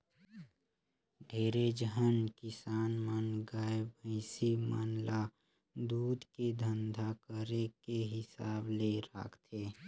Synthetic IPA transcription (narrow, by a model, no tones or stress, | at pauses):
ɖʱeːɾed͡ʒəɦənkɪsaːnmənɡaːebə̃ɪsima̰nla | d̪uːd̪ked̪ʱənd̪ʱakəɾekeɦɪsaːbleɾa̰ːkʰt̪ʰeː